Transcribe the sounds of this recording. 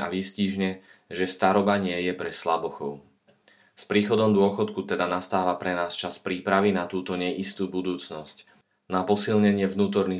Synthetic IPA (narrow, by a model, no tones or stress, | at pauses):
a̰ʋisciːʒɲɛ | ʒɛst̪aɾɔbaɲɪɛjɛpɾɛslabɔxɔʊ | spɾiːxɔd̪ɔmd̪ʊɔxɔt̪kut̪ɛd̪anast̪aːʋapɾɛnaːst͡ʃaspɾiːpɾaʋinat̪uːt̪ɔɲɛʔist̪uːbud̪uːt͡snɔsc | napɔsilɲɛɲɪɛvnuːt̪̬ɔɾni